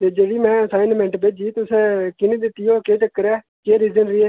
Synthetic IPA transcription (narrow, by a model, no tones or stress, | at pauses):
t̪eːd͡ʒeːʋiːmɛ̃ːəsaːɪnmɛ̃ɳʈped͡ʒiːt̪ʊseːkɪneːd̪ɪt̪ːɪjoːkeːt͡ʃəkːəɾɛː | keːɾiːd͡ʒənɾiːɛː